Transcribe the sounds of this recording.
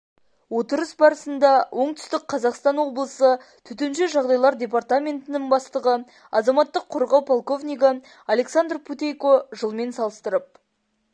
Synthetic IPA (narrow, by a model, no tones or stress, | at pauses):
wo̞t̪əɾəsbɑɾəsənd̪ɑwʔo̞ɴt̪ʰʏ̥st̪ɪk̚qʰɑzɑqst̪ɑnwo̞blˠəsə | t̪ʰʏt̪enʃeʒɑʁd̪ɑjlˠɑɾd̪ʲe̞p̬art̪amʲe̞nt̪ɪnɪŋbɑst̪əʁə | ɑzɑmɑt̪ːəqʰːoɾʁɑwpʰolˠko̞vnʲijɡə | alʲe̞ksand̪rpʰut̪ejkoʒəlˠme̞nsɑlˠəst̪əɾəp̚